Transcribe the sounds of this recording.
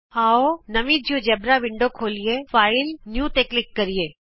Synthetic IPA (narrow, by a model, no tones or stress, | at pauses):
aːonɐmid͡ʒjod͡ʒɛbɾaʋɪɳɖokʰoːlijefaːɪlnjuːt̪eːklɪkːɐɾieː